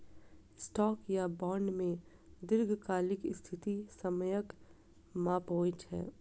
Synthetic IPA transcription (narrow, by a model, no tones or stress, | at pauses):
sʈɔːkjabɔːɳɖmẽ | d̪ɪɾɡʱkaːlɪkɪst̪ʰɪt̪isɐməjək | maːpoːɪt͡ʃɦɛ̰ː